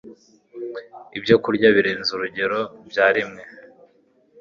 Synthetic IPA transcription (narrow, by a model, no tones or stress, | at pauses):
ibjo̞kuɾɟaβiɾeːnzuɾuɟe̞ɾo̞bjaːɾimŋe̞